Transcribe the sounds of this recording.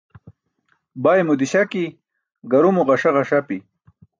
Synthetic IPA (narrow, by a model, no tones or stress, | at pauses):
bajmud̪iɕaki | ɡaɾumuʁaʂaʁaʂapi